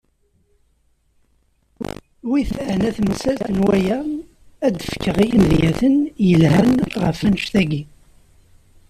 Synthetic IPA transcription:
wiθəʕnæθməsæθənwæjæ | æd̪əfkːəʁijimðjæθənjəlhænʁə̰fænəʃθæɡi

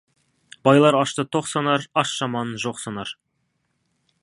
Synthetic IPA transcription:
b̥ɑjlˠɑɾɑʃt̪ət̪ʰoqsɑnɑɾɑʃʒ̥ɑmɑnʒoqsɑnɑɾ

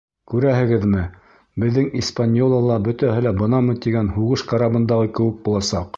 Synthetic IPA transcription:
kʉɾæɦɘ̆ɡɘðmɘ | bɘ̆ðːɘŋispanʲjolˠɑlˠɑbɵ̆t̪æhɘlæbɤ̆nɑmɤt̪iɡænhuʁɤʃqɑɾɑbɤ̆nd̪ɑʁɤkɘ̆wɘk̚bulˠɑsɑq

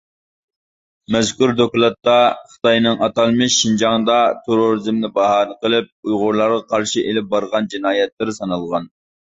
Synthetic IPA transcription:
mɛzkʲuɾd̪oklˠɑt̪ːɑχə̥t̪ɑjnɨŋʔɑt̪ɑlˠmɪʃːind͡ʒɑŋd̪ɑt̪ʰeɾoɾɨzɪmnɪbɑɦɑnɨqəlˠɪp̚ujʁʊɾlˠɑɾʁɑqʰɑɾʃiʔelɪp̚bɑɾʁɑnd͡ʒinɑːjɛt̪lɪɾɪsɑnɑlˠʁɑn

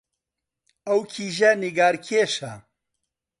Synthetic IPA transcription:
ɐwkʰiːʒɐniɡaːɾkʰeːʃɐ

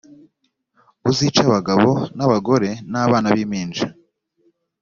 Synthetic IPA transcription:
uzit͡ʃaβaɡaβo̞naβaɡo̞ɾe̞naβaːnaβiːmiːnd͡ʒa

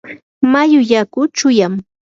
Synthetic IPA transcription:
majʊʎakʊt͡ʃʊjam

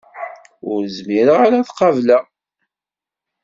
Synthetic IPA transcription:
ʊɾzmiɾəʁaɾaθqɑvlæ

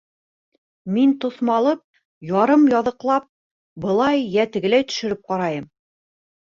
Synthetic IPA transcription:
mint̪ŏθmɑlˠɤp̚ | jɒɾɤmjɒðɤ̆qlˠɑp̚ | bɤ̆lˠɑjjæt̪ɘ̆ɡɘ̆læjt̪ɵ̥̆ʃɘ̆ɾɘp̚qɑɾɑjɤm

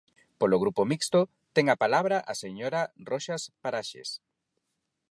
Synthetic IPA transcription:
poloɣ̞ɾupomikst̪o | t̪eŋapalaβɾaʔaseɲoɾaroʃaspaɾaʃḛs

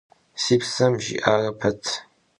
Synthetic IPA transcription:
sipʰsɐmʒḭʔaːrɐpʰɐtʰ

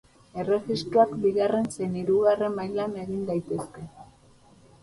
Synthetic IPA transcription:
e̞re̞ɣist̪ɾoakbiɣarenseniɾuɣare̞majlane̞ɣind̪ajt̪e̞ske̞

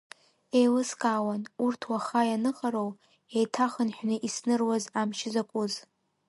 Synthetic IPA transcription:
ejlɨskʼaːwanurtʰwaχajanɨχʼaɾow | ejtʰaχənħʷᶣnɨʔisnɨrwazamʃɪzakʷʼuz

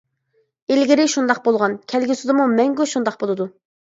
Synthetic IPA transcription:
elɡʲɪɾɪʃund̪ɑqbolˠʁɑnkʲʰɛlɡʲisɪd̪ɪmumɛŋɡʲyʃund̪ɑqbolˠɨd̪u

